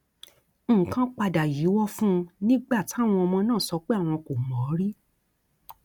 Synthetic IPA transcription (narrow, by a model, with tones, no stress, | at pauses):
kã˦k͡pa˧da˨ji˨˦wɔ˦fũ˦˧nĩ˦ɡ͡ba˦˨ti˨˦˨w̃ɔ̃˧ɔ˧mɔ̃˧nãː˦˨sɔ˧k͡pe˦a˦˨w̃ɔ̃˧ko˨mɔ̃˨˦ɾi˦